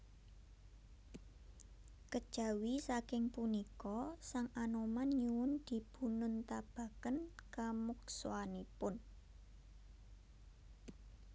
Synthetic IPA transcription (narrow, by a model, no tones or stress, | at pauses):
kəd̥ʒ̥ä̤wisakɪŋpunikɔsaŋanomanɲuwʊnd̪̥i̤b̥ṳnʊnt̪ab̥a̤kənkamukso̰anipʊn